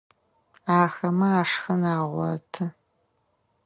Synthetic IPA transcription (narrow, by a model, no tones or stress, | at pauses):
aːxɐmɐaːʂxɐnaːʁʷɔ̰tʰɨ